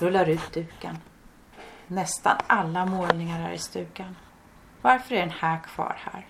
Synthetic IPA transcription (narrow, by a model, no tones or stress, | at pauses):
ɾɵlːaɾʉ̟ːt̪̚d̪ʉ̟ːka̰n | ɛst̪a̰nʔalːamoːlnɪŋaɾæ̰ɾɪ̰st̪ʉ̟ːɡan | vaɾfœɾɛɾɛnhæːɾkʰv̥ɑ̰ːɾhæ̰ːɾ